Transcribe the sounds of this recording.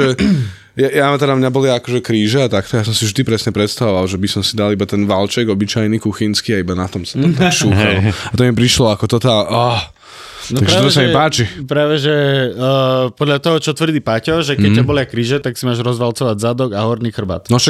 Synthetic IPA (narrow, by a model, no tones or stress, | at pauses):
ɛ | jajat̪ɛd̪amɲabɔliaakɔʒɛkɾiːʒɛːt̪ak̚t̪ɔjas̬ɔmsivʒd̪ipɾɛsɲɛpɾɛt̪st̪aʋɔʋalʒɛbisɔmsid̪alibat̪ɛnʋalt͡ʃɛɡɔbit͡ʃajnikuxinskiːaibanat̪ɔmsḁt̪ɔt̪aʃuːxalɔat̪ɔmipɾiʃlɔakɔt̪ɔt̪ala | nɔaɡɾɛaːt̪ɔt̪ɔs̬amimpaːt͡ʃipɾaːʋɛʒɛ | pɔd̪ʎat̪ɔɦɔt͡ʃɔt̪ʋrd̪iːpacɔʒɛkɛːabɔlɪakɾiːʒɛt̪aksimaːʒɾɔzʋalt͡sɔʋaɟzad̪ɔɡaɦɔɾniːxr̩ba̰t̪nɔʃa